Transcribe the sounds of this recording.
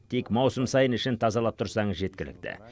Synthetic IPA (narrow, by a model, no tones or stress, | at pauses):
t̪ʰekmɑwsəmsɑjənɪʃɪnt̪ʰɑzɑlˠɑp̚t̪ʰʊɾsɑɴəzʒe̞t̪kʲɪlɪ̰k̚t̪ɪ̰